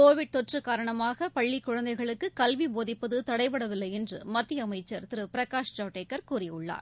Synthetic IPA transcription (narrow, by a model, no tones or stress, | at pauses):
koːʋɪɽ̚t̪ɔʈrɯkaːɾɐɳɐmaːɣɐpɐɭːikːʊɻɐnd̪ɐɪɣɐɭɯkːɯkɐlʋiboːðɪpːɐðɯt̪ɐɽɐɪpɐɽɐʋɪlːɐɪɛndrɯ̰mɐt̪ːɪjɐmɐɪt͡ʃːɐɾt̪ɪɾɯpɪɾɐkaːʂʈaːʈeːkːɐɾkuːrɪjʊɭːa̰ːɾ